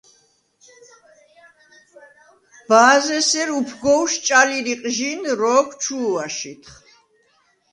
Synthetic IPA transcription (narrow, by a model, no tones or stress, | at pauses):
b̥aːzɛsɛɾupʰɡɔwʃt͡ʃʼaliɾiqʼʒinɾɔːkʰt͡ʃʰuːaʃit̪ʰχ